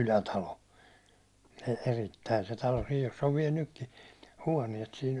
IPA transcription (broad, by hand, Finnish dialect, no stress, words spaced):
ylætɑlo e eritːæi se tɑlo sij josː oʋ ʋiɛl nykːi huɒniɛt sin